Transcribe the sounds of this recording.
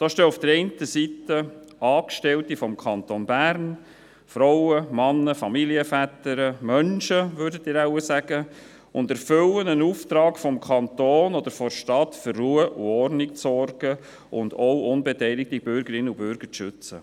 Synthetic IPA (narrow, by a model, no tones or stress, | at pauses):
d̥ɑːʃtøːufd̥əɾɛɪntəsitə | ɑːkʃtɛltifɔmkʰχɑnt̪onbærn | fɾɔʊwəmɑnːəfɑmiliəfætəɾəmœnʃəʋøɾdətiːɾæʊəsæɡ̥ə | ʊndɛɾfɵlənənuːft̪ɾɑːkfɔmkʰɑnt̪oːnɔd̪əɾfɔɾʃtɑt̪førːuəʔṵɔɾnɪk̚t͡sɔrɡə | ʔʊndɔwʔʊnbɛtɛɪlɪk̚tib̥ʏɾɡəɾɪnːəubʏɾɡ̥əɾʃʏt͡sə̰